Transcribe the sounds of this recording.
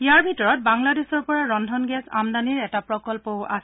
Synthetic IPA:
ijaɹbʱitɔɹɔt̚baŋladesɔɹpɔɹaɹɔndʱɔnɡɛsa̰mdaniɹɛtapɹɔkɔlpowʔa̰sɛ

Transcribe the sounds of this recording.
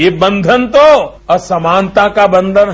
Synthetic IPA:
ebə̃nd̪ʱənt̪o | ɐsɐmãːnt̪akabə̃nd̪ʱənɦ

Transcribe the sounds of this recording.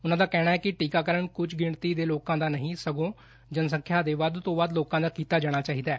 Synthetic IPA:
ʊnãːd̪aːkɛːɽ̃aːɛːkɪʈiːkaːkəɾəɳkʊt͡ʃʰɡɪɳt̪iːd̪eːloːkãːd̪aːnəɦĩːsəɡõː | d͡ʒənsə̃ŋkʰjaːd̪eːʋaːd̪t̪õːʋaːd̪loːkãːd̪aːkiːt̪aːd͡ʒaːɽ̃aːt͡ʃaːɦiːd̪aɛː

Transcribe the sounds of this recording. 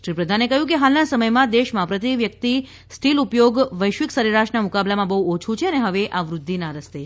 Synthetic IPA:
ʃɾipɾəd̪ʱanekəɦjũk̬eɦalnasəməjmãd̪eʃmãpɾət̪iʋjək̚t̪i | sʈʰilupjoɡʋəjʃʋiksəɾeɾaʃnamʊkablamãbəɦuot͡ʃʰut͡ʃʰeəneɦəʋeʔaʋɾʊd̪ʱːinaɾəst̪e

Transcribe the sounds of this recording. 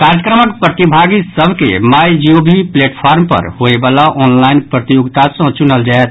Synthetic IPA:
kaɾjəkɾəməkpɾət̪ibʱaɡisəbʱkḛmajd͡ʒiobʱipleʈpʰaɾmpə̰ɾhoebalaʔɔːnlaɪnpɾət̪ijoɡt̪asə̃t͡ʃunəld͡ʒaɛt̪̚

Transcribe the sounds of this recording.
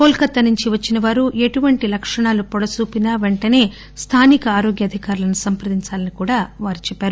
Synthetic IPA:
koːlkɐt̪ːɐnuɲt͡ʃiʋɐt͡ʃːinɐʋaːɾuʔe̞ʈuʋɐɳʈilɐkʂɐɳaːlupɔɽɐsuːpinɐʋe̞ɳʈɐne̞ː | st̪ʰaːnikɐaːɾo̞ːɡjɐd̪ʱikaːɾulɐnusɐmpɾɐd̪iɲt͡ʃaːlɐnikuːɽaːʋaːɾit͡ʃɛpːaːɾu

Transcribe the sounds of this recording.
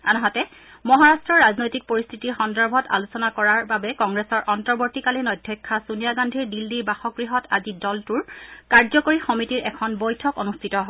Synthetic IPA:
anɔɦatɛ | mɔɦaɹastɹɔɹːaznojtik̚poɹist̪ʰitiɹxɔndɔɹbʱɔta̰lusɔnakɔɹaɹbabɛkɔŋɡɹɛsɔɹʔɔntɔɹboɹtikalinɔdʱjɔjkʰːasunijaɡandʱiɹdilːiɹbaxɔkɹiɦɔtazidɔltuɹkaɹzɔkoɹixɔmitiɹʔɛkʰɔnbojtʰɔkonustʰitɔ

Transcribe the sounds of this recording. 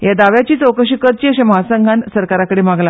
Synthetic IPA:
jad̪aʋjat͡ɕiːt͡səwkəɕikəɾt͡ɕiːəɕeməɦasə̃ŋɡʱansəɾkaɾakəɽemaɡla

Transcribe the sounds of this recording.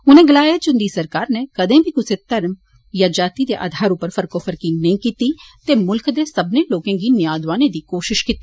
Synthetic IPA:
ʊnẽːɡəlaːjət̪̚d͡ʒʊnd̪iːsəɾkaːɾneːkəd̪ẽːbʱiːkʊseːt̪əɾm | jãːd͡ʒaːt̪iːd̪eːʔa̰ːd̪ʱaːɾʊpəɾfʰəɾkoːpʰəɾkiːnəĩːkiːt̪iːt̪eːmʊlkd̪eːsəbnẽːloːkẽːɡiːnɪjaːd̪ʋaːnẽːd̪iːkoːʃɪʃkiːt̪ːi

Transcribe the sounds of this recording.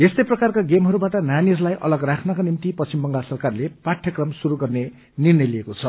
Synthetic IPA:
est̪ʌjprʌkarkaɡemɦʌɾubaʈʌnjaniʌslajʔʌ̰lʌɡrakʰnʌkanimt̪ipʌst͡ɕimbʌŋɡasʌrkarlepaʈʰjʌkrʌmsuɾuɡʌrne | nirnʌjliekot͡sʰʌ

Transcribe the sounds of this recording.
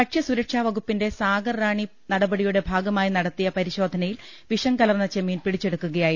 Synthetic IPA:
ɐʈʂɐsuɾɐkʂaːʋɐɣupːinde̞saːɡɐrːaːɳi | nɐɽɐbɐɽijuɽe̞bʱaːɡɐmaːjinɐɽɐt̪ːijɐpɐɾiɕo̞ːd̪ʱɐnɐjil | ʋiʂɐŋkɐlɐrnːɐt͡ɕemiːnpiɽit͡ɕːe̞ɽukːuɣɐjaːji

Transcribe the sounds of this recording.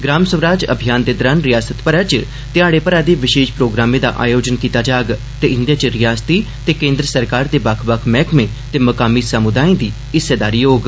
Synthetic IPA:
ɡɾaːmsəʋɾaːd͡ʒə̰bʱijaːnd̪eːd̪ɔɾaːnɾɪjaːsət̪pəɾat͡ʃ | t̪ɪaːɽepəɾaːd̪eʋɪʃeːʃpɾoːɡɾaːmẽd̪a̰ːʔa̰ːjoːd͡ʒənkit̪aːd͡ʒaːɡ | t̪eʔɪ̃nd̪jat͡ʃəɾɪjaːst̪i | t̪eːkẽːnd̪ɾəsəɾkaːɾd̪eːbaːkʰbakʰmɛːkmẽ | t̪eːmɐkaːmisəmʊd̪aːĩd̪iː | ɪsed̪aːɾijoːɡ

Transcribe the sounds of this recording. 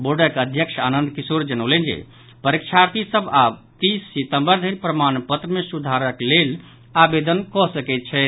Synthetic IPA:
boɖəkəd̪ʱjəkʃʰanənd̪kisoɾd͡ʒənəʊlɛnd͡ʒḛ | pəɾikt͡ʃʰaɾt̪isəbat̪isːit̪ə̃mbəɾd̪ʱəɾpɾəmanpət̪ɾəmesud̪ʱaɾəklel | abed̪ənkɔsəkɛt̪̚t͡ʃʰɛ

